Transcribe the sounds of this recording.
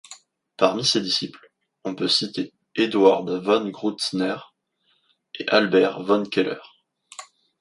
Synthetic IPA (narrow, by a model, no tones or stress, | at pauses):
paʁmised̪isipl | ɔ̃pøsit̪e | ed̪waʁd̪vanɡʁut̪snɛʁ | eʔalbɛʁvãnkʲelœ̰ʁ